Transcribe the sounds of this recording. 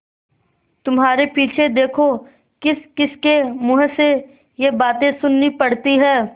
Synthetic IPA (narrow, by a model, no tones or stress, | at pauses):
t̪ʊmɦaːɾepiːt͡ʃʰed̪eːkʰo | kɪskɪskemʊɦse | jebaːt̪ẽsʊnːipɐɽt̪iɦɛː